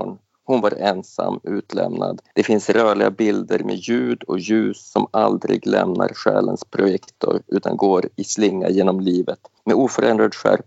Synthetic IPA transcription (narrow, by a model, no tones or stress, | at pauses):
n | hʊnvaɾɛnsamːʉ̟ːt̪lɛmnad̪d̪̥ɛfɪnsɾœːɭɪɡabɪld̪əɾmeːjʉ̟ːd̪ɔjʉ̟ːsːɔmald̪ɾɪɡlɛmnaɾɧɛːlənspʰɾʊjɛkt̪ʰʊɾʉ̟ːt̪ʰanɡoːɾɪslɪŋːajeːnɔmliːvət̪mɛuːfœɾɛnd̪ɾad̪ɧæɾp